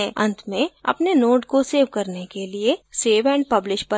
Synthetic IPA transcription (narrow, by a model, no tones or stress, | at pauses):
ɐ̰̃nt̪ʰmẽɐ̰pnenoːʈkoseːʋkɐɾnekelieseːʋɛ̃ːɳɖpɐblɪʃʈpɐ